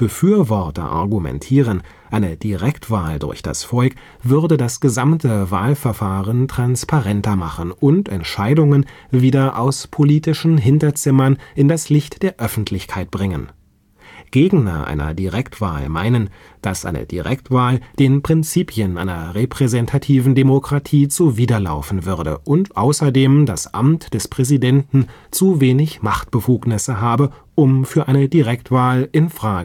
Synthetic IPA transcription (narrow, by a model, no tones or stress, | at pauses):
b̥əfyːɐvɔʁtɐ̰ʔa̰ɐɡumɛ̰ntʰiːʁən | ʔaɪnəd̥iʁɛktv̥aːldʊ̰ɐçd̥a̰sfɔlk | v̥ʏʁdədasɡ̥əzamtʰəvaːlfɛɐfaːʁəntʁ̥anspʰaʁɛntɐmaχən̩ʔʊntʰɛntʃaɪdʊŋənviːdɐʔaʊspʰoliːtɪʃn̩ɦɪntɐt͡sɪmɐnʔɪndaslɪçtd̥eːɐʔœfn̩tʰlɪçkʰaɪt̚b̥ʁɪŋən | ɡ̥eːɡŋnɐ̰ʔa̰ɪnɐ̰diʁɛktv̥a̰ːlma̰ɪnən | d̥a̰sʔa̰ɪnə̰d̥ḭʁɛk̚tv̥aːld̥eːnpʁ̥ɪnt͡siːpʰjənʔa̰ɪnɐ̰ʁepʁ̥ɛzɛntʰatʰiːvn̩demokʁ̥atʰiːt͡suviːdɐla̰ʊfn̩vʏʁdə̰ʔʊntʔaʊsɐdeːmdasʔa̰mtd̥ɛspʁ̥ɛzidɛntn̩t͡suveːnɪçmaχtb̥əfuːknɪsəɦaːbə | ʔʊmfyːɐʔaɪnədiʁɛktv̥aːlɪnfʁ̥aːɡə